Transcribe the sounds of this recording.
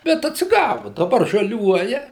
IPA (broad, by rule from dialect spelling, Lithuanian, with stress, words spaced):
bʲɛt ɐtʲsʲɪˈɡɑːʋʊ dɐˈbɐr ʒɐˈlʲuɔjɛ